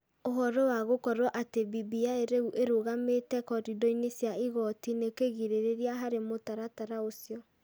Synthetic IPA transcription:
oɦɔɾɔwaɣokɔɾwɔʔatebibiaeɾeuʔeɾoɣametɛkɔɾidɔinesjaiɣɔtinekeɣiɾeɾeɾiaɦaɾemotaɾataɾaosjɔ

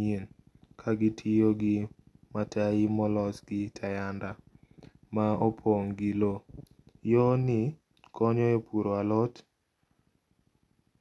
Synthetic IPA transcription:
en | kʰaɡɪtʰijoɡɪ | mataimɔlɔsɡɪtʰajanda | maopʰoŋɡilo | jɔnɪ | kɔɲɔepʰuɾoalɔt

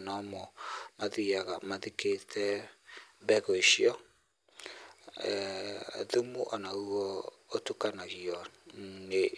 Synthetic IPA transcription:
nɔmɔmaðiaɣamaðiketʰɛ | bɛɣɔeʃiɔ | ðumuʔɔnauɔ | otukanaɣiɔne

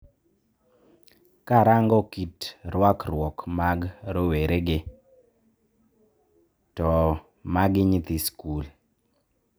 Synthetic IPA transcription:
kaɾaŋɡɔkitɾwakrwɔkmaɡɾoweɾeɡɪ | tɔ | maɡɪɲit̪iskul

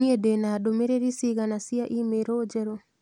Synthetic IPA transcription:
iedenadomeɾeɾisiɡanasiaʔimeɾod͡ʒeɾo

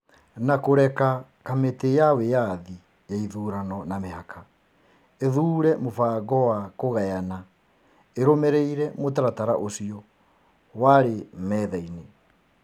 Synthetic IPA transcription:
nakoɾɛka | kametejawejaði | jaiðuːɾanɔnameɦakʰa | eðuːɾɛmofaːɣɔwakoɣajana | eɾomɛɾeiɾɛmotaɾataɾa̰ʔosiɔ | waɾemɛðɛine

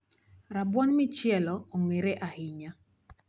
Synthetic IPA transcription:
ɾabwɔnmɪt͡ʃjɛlɔoŋweɾeʔahɪɲa

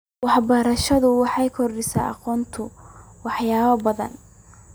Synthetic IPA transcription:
wɑħbɐɾɐʃɐðʊwɑħɑjkʰɔrɖɪsa̰ːʔɑ̰qɔːnt̪ʰʊwɑħjaːβɐbɐðɐ̰n

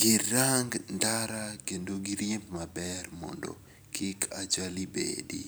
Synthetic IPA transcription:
ɡɪɾaŋɡndaɾakendoɡɪɾjɪmpmabɛrmɔ̰ndɔ̰ | kʰɪkʰad͡ʒalibḛdḭ

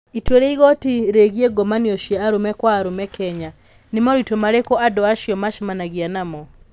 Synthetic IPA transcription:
itweɾeiɣɔtiɾeɣieɡɔmaniɔʃiaaɾomɛkwaːɾomɛkʰɛɲa | nemɔɾitomaɾekɔʔadɔaʃiɔmaʃimanaɣianamɔ

